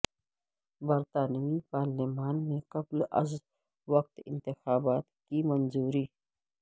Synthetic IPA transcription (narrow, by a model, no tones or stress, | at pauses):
bɐɾt̪aːnwipaːɾlimaːnmẽkɐblɐ̰z | wɐk̚t̪ɪ̰̃nt̪ɪxaːbaːt̪kimɐnzuːɾiː